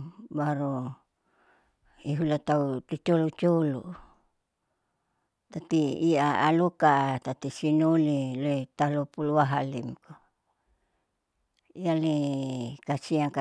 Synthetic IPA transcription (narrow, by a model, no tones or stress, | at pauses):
baɾo | iɦulat̪aut̪ut͡ʃolut͡ʃolu | t̪at̪iːaa̰lukat̪at̪isinuliloit̪alopuluaɦalimko | ialikasiaŋka